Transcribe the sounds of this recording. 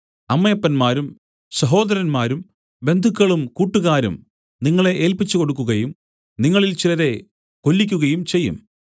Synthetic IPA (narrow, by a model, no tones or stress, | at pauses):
ɐmːɐjɐpːɐnmaːɾum | sɐɦo̞ːd̪ɐɾɐnmaːɾum | be̞nd̪ʱukːɐɭumkuːʈːuɣaːɾṵm | niŋːɐɭe̞ʔeːlpit͡ɕːuko̞ɽuk̬ːuɣɐjum | niŋːɐɭilt͡ɕilɐðe̞ | ko̞lːikʲːuɣɐjumt͡ɕe̞jːṵm